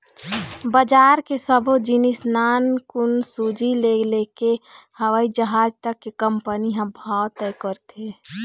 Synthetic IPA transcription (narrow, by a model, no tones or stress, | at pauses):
bəd͡ʒaːɾkesəbʱod͡ʒinisnaːnkʊnsud͡ʒileɡlekehəʋəid͡ʒəɦaːd͡ʒt̪əkːekəmpəniɦə̃bʱɔt̪ːəjkɔɾt̪e